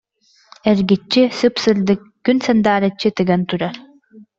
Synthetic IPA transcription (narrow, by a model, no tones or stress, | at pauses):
ɛɾɡit͡ɕːisɯpsɯld̪ɯkːynsɐnd̪aːɾat͡ɕːit̪ɯɡɐnt̪uɾaɾ